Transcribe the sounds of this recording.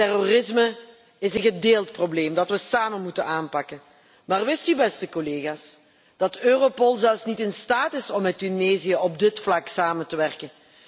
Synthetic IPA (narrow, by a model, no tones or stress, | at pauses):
tɛrorɪsmə | ɪsənɣədeːlˠtprobleːmdɑtʋəsaːmənmutənaːnpɑkən | maːrʋɪstybɛstəkoleːɣaːs | d̥ɑtøːropɔlˠzɛlˠfsnitɪnstaːtɪsɔmːɛtyneːzijəɔb̚dɪtflɑksaːməntəʋɛrkən